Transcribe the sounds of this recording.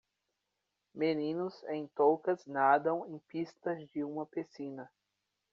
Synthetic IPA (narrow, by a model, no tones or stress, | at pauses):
menĩnʊzẽj̃t̪owkɐznad̪ɐ̃w̃ẽj̃pist̪ɐzd͡ʒɪũmɐpesĩnɐ